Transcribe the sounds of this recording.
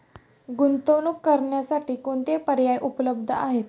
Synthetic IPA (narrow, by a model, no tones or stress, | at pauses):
ɡunt̪olukːəɾɳjasaʈiːkoɳt̪epəɾjajʔupləb̚d̪ʱəaɦet̪